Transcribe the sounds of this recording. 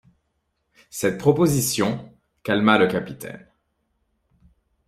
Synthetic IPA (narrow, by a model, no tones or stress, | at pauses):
sɛt̪̚pχɔpozisjɔ̃ | kalmaləkapit̪ɛ̰n